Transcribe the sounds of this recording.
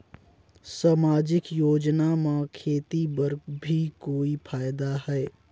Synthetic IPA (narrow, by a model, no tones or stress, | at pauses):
saːmaːd͡ʒɪkjoːd͡ʒnamãkʰeːt̪ibəɾɡbʱikoːipʰaːjd̪aɦɛː